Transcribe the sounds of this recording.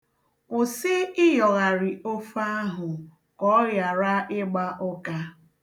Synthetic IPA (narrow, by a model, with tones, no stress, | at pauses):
kʷʊ˨sɪ˦ɪ˦jɔ˨ɣa˨ɾɪ˨o˦fa˦ɦʊ˨ | kɔ˦ja˨ɾa˦ɪ˦ɡ͡ba˦ʔʊ˦ka˦